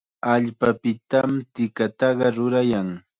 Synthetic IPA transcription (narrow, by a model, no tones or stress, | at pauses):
aʎpapɪt̪amt̪ɪkat̪ɑɢɑɾʊɾajaŋ